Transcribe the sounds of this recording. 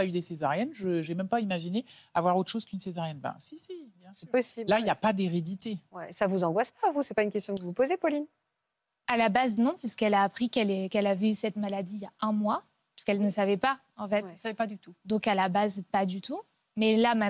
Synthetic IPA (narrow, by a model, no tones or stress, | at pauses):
ayd̪esezaʁjɛnʒəʒɛmɛmpaimaʒineavwaʁot̪χʃoz̥kynsezaʁjɛnbã̰sisijɛ̃sɛpɔsilaijapad̪eʁed̪it̪ewɛsavuzɑ̃ɡwaspavusɛpaynkʲɛst̪jɔ̃kəvupozepɔlin | alabaznɔ̃pɥiskɛlaːpχikɛlɛkɛlavysɛt̪malad̪ijaɛ̃mwa | pḁskɛlnəsavɛpa | ɑ̃fɛt̪savɛpad̪yt̪ud̪ɔ̃kalabazpad̪yt̪ʰu | mɛlamɛ̃